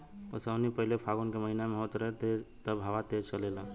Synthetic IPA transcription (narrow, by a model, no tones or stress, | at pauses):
osənipəɦilepʰaɡonkeməɦinameɦot̪ɾəɦɛt̪et̪əbʱaʋat̪ed͡ʒt͡ʃəlela